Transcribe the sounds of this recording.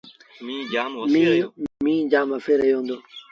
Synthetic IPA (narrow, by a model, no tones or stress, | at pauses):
mĩmĩːd͡ʒaːməfeːɾəɦjoːɦõnd̪oː